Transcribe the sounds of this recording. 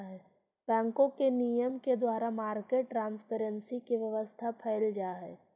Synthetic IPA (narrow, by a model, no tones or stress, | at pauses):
ɦɛ | b̥ɛ̃ːŋkõkenijəmked̪waːɾamaːɾkeːʈʈːɾãːnspeːɾə̃nsikeʋjɐʋəst̪ʰapʰɛːɪld͡ʒaːɦɛː